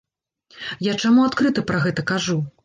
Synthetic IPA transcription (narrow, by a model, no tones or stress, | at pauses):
jat͡ʂamuat̪kɾɨt̪ɐpɾɐɣɛt̪ɐkaʐu